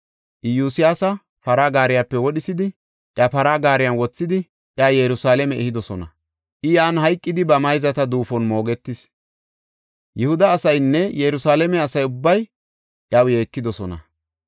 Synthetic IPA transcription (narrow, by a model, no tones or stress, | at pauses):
ʔɪjuːsɪjaːsɐ | pɐɾaːɡaːɾɪjapːɛwɔɗɪsɪd̪ɪ | ʔjɐpɐɾaːɡaːɾɪjɐnwɔt͡sːɪd̪ɪ | ʔjaːjɛɾʊsaːlɛmɛɛhɪd̪ɔsɔnɐ̰ | ʔɪjaːnɦɐjkʼːɪd̪ɪbɐmɐjzɐt̪ɐd̪uːfɔnmo̞ːɡɛt̪ːɪs | jɛhʊd̪ɐːsɐjnːɛjɛɾʊsaːlɛmɛɐsɐjʊbːɐj | ʔjawjeːkːɪd̪ɔsɔnɐ̰